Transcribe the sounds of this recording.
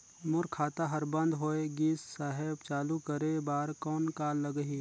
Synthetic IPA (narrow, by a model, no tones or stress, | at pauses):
mʊɾkʰaːt̪aɦɐɾbə̃nd̪ɦoːeɡiːssaːɦebt͡ʃaːlukəɾebaːɾkɔːnkaːlːəɡɦiː